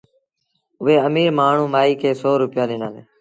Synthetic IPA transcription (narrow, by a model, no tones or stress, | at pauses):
ʊʋeːəmiːɾmaːɳ̤ũːmaːiːkʰeːsoːɾʊpɪjaːɗɪ̃ːnaːneː